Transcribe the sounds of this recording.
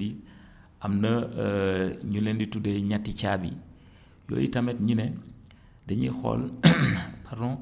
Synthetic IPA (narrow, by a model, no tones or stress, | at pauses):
i | ʔɐmnɐ | ɲulɛnditudɛɲatːicaːbḭ | jɔ̰ːjḭtɐmɛtɲinɛ | dɛɲixɔ̰l | pʰardɔ̃